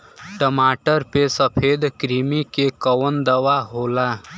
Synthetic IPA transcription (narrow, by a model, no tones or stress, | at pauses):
ʈəmaʈəɾpesəpʰed̪kɾimikekəʋənd̪əʋaɦola